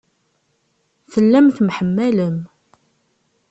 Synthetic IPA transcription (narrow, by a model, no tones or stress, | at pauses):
θəlːæmθmħəmːæləm